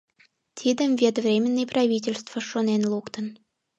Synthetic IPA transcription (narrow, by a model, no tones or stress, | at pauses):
t̪ʰid̪əmvʲet̪vrʲemʲənːijprɑvʲit̬ʲelʲst̪vəʃonenlukt̪ən